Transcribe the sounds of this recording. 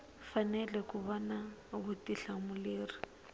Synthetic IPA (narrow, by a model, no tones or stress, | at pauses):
fanɛlɛkuβɔnaɣutiɬamuleːri